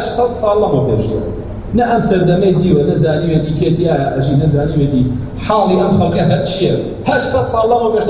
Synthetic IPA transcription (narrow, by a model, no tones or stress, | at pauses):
ʃsɐd̪sɑːlˠːɐɣobḛʒḛ | nɐʔɐmsɐɾd̪ɐmɐjd̪iːwɐnɐzaːniːwet̪iːkʰet̪iaːjɐʔɐʒiːnɐzaːniːwet̪i | ħɑːlˠiːʔɐmxɐlˠkɐɦɐɾt͡ʃʰijɐ | hɐʃsɐd̪sɑːlˠːɐɣwobeːʃ